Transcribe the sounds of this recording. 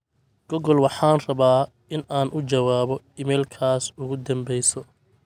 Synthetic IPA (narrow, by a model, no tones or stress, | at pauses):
ɡ̥ɔɣɔlwɑħɑːnrɐβaː | ɪnaːnʔʊt͡ʃɐwaːβɔ | ɪmɛjlkʰaːsʊɣʊd̪ɐmbɛjsɔ